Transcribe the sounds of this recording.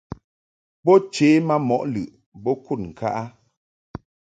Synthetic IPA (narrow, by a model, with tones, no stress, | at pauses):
bɔ˦t͡ʃeː˨˦ma˦mɔ˦ʔlʉ˨ʔ | bɔ˦ku˦˨t̚ŋ̩˨ka˦ʔa˦